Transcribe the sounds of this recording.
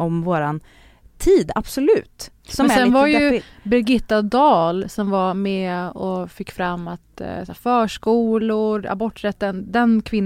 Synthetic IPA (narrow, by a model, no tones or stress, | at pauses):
ɔmvoːɾan | t̪ʰiːd̪ab̥sɔlʉ̟ːt̪ | ssɛnvaɾjɵbɪɾɡɪt̪ːad̪ɑːlsɔmvaɾmɛɔfɪkːfɾamːat̪fœːʂkuːlʊɾa̰bɔʈːɾɛt̪ːənd̪ɛnkʰvɪnː